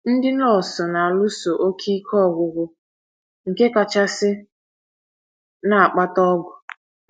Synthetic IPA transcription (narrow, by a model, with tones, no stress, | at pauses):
n̩˦dɪ˦nɔ˦˨sɔ˨na˨a˨lʊ˦so˨ʔo˦kʰi˦kʰɔ˦˨ɡʷʊ˨ɡʷʊ˨ | ŋ̩˨ke˦ka˨t͡ʃa˦sɪ˦ | na˦˨a˨k͡pa˦tɔ˦ɡʷʊ˨